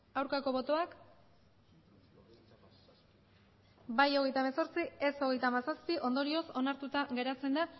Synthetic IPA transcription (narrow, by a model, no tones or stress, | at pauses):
awɾkako̞βo̞t̪o̞ak | bajo̞ɣ̞e̞jt̪ameso̞ɾt͡sieso̞ɣejt̪aːmasaspiʔo̞nd̪o̞ɾio̞so̞naɾt̪ut̪aɣe̞ɾat͡se̞nd̪a